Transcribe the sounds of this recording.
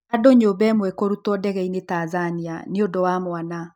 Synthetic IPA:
adoɲobɛmwɛkoɾutɔdɛɣɛinetazania̰neondowamwana

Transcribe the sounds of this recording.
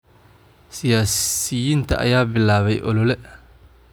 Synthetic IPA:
sɪjaːsɪjɪnt̪ʰɐ̰ʔɐ̰jaːbɪlaːβɛjʔɔ̰lɔlɛ

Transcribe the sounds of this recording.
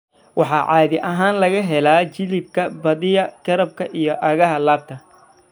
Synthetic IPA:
wɑħɑːʕɑːðɪʔɐɦaːnlɐɣɐɦɛlaːt͡ʃɪlɪd̪̚kʰɐbɐðɪjɐɡ̥ɐɾɐb̚kʰɐʔijɞʔɐɣɐɦɐlaːb̚t̪ʰɐ

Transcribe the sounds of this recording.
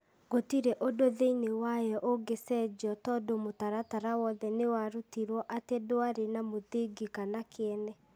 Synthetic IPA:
ɡotiɾeʔodoðeinewajɔʔoɡesɛd͡ʑɔtɔdomotaɾataɾawɔðɛnewaɾotiɾɔʔatedoaɾenamoðeɡikanakʰeɛnɛ

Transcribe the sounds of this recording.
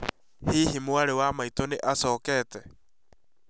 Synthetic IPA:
hiːɦimuaɾewamait̪oneʔasoːketɛ

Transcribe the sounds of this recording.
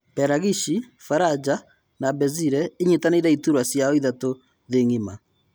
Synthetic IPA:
pɛɾaɣiʃi | faɾad͡ʒa | nabɛziɾɛeɲetaneɾɛituɾwasjaɔiðato | ðeŋima

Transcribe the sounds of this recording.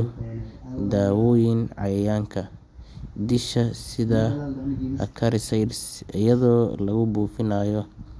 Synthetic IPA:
d̪aːwɔjɪnʕɑjɐjaːŋkʰɐ | d̪ɪʃɐsɪðaː | ɐ̰kʰɐɾɪsɐsɪ̰jɐðɔːlɐɣʊbuːfɪnaːjɔ

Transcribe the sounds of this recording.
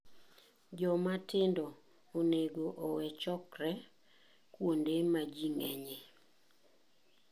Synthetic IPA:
d͡ʒɔmatɪndɔ | oneɡoʔowɛt͡ʃɔkɾɛ | kwondemad͡ʒiŋɛɲe

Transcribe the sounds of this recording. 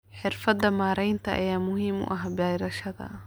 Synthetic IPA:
ħɪrfɐd̪ːɐmaːɾɛjnt̪ʰɐʔɐ̰jaːmʊɦiːmʊ̰ʔɐɦbɛːjɾɐʃɐðɐ̰

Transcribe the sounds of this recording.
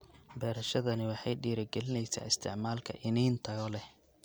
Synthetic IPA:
bɛːɾɐʃɐðɐnɪwɑħɑjɖiːɾɐɡɛlɪnɛjsa̰ːɪst̪ʰɪ̰ʕmaːlkʰɐ̰ʔɪniːnt̪ʰɐɣɔlɛh

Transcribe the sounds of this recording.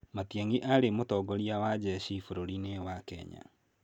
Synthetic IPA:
matjaŋɡiʔaɾemotɔɡɔɾiawad͡ʒɛʃifoɾoɾinewakɛ̰ɲa̰

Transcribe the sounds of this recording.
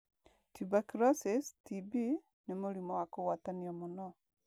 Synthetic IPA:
tibakɾasistibi | nemuɾimɔwakuwataniɔmunɔ

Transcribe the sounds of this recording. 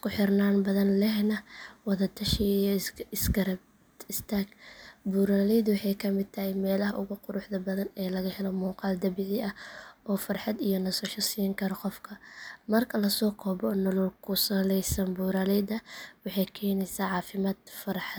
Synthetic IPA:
kʰʊħɪrnaːnbɐðɐnlɛɦnɐwɑðɐt̪ʰɐʃijɪsɡɐɾɐb̪ | ɪst̪ʰaːɡbuːɾaːlɛd̪wɑħɑjkʰɐmɪd̪̚t̪ʰɐhɪjmɛːlɐɦɐʔʊɣʊqʊɾʊħðɐbɐðɐnɛːlɐɣɐhɛlɔmuːqɑːld̪ɐbɪʕɪɐhʔɔːfɐrħɑd̪ijɔnɐsɐʃɐsiːŋkʰɐɾɔqɔfkʰɐmɐrkʰɐlɐsɔːkʰɔːbɔnɔlɔlkʰʊsɐlɛjsɐnbuːɾaːlɛjd̪ɐwɑħɑjkʰɛːnɛjsɐʕɑːfɪmaːd̪fɐrħɑ

